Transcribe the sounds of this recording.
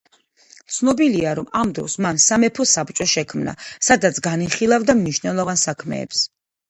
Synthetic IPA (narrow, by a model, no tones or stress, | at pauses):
t̪sʰnɔbiliaɾɔmamd̪ɾɔ̰smansamɛpʰɔsapt͡ʃʼɔʃɛkʰmna̰sad̪at̪sʰɡaniχilˠavd̪amniʃnɛlˠɔvansakʰmɛ̰ːps